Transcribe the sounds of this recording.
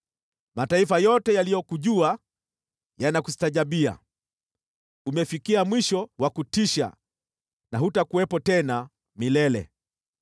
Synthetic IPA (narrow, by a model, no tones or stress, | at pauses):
mataifajɔtɛjalijɔkuʄua | janaku̥si̥taʄaɓia̰ | umɛfikiamwiʃɔwakutiʃa̰ | naɦutakuwɛpɔtɛna | milɛlɛ̰